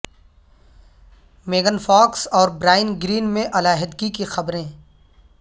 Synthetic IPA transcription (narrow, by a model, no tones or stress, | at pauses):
meːɡənfɔːksɔːɾbɾaːɪənɡɾiːnmẽʔɐlaːɦɪd̪ɡikixɐbɾẽː